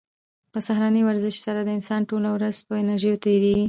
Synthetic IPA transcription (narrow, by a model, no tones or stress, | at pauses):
pəsaxɾanəwaɾzɪʃsaɾad̪əɪnsɑnʈolawɾazpəɪnaɾʒəjot̪aɾeɡi